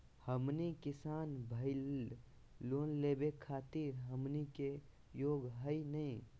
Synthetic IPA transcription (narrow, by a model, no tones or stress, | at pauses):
həmnikɪsaːnbʱəɪl | loːnleːbekʰaːt̪iɾɦəmnike | joːɡɦəinəĩ